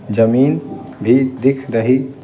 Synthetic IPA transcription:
d͡ʒəminbʱid̪ekʰɾəɦi

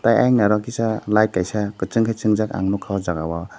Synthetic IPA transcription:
taja̰jŋnaɾɔkisalajt̚kːajsakɯt͡ʃɯŋkʰajt͡ʃɯŋzaka̰ŋnukʰawzaɡawa

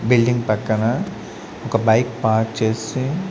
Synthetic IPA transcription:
bɪlɖĩŋɡpɐkːɐna | okabajkpaːɾk̚t͡ʃesĩ

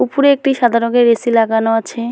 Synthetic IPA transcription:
upuɾeek̚ʈiʃad̪ʱaɾoɡeɾːesilaɡanoat͡ɕʰe

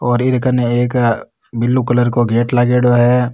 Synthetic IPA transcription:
ɔːɾɪɾkəneeːk | bɪlːukɐləɾkoɡeːʈlaːɡeɽoɦɛː

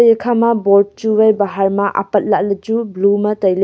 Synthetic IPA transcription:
jekʰamɐboɾd̚t͡ʃuwajbaɦaɾmɐʔa̰pɐt̚laʔ̚lɐd͡ʒublumɐtɐjl

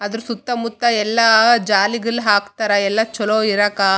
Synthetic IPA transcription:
ɐd̪ɐɾusut̪ːɐmut̪ːɐɛlːaːd͡ʒaːliɡɐɭɦaːkt̪ɐɾɐɛlːat͡ʃɔloːiɾɐkaː

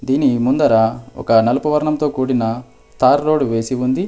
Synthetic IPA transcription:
d̪iːnimund̪ɐɾaɔ̰kɐnɐlupɐʋɐɾɐɳɐmt̪o̞ːkuːɽinɐ | t̪aːɾːo̞ːɽuʋe̞ːsiund̪i

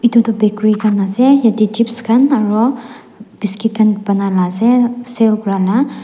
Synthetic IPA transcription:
it̪ut̪ɔbekɾuikanasɛjadid͡ʒipskanaɾo | b̥iskit̪̚kanb̥analasɛselkuɾala

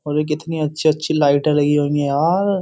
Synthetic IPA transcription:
oɾek̬ɪt̪niɐtːʃʰiɐtːʃʰilaːɪʈəlɐɡiɦõŋɡeaːɾ

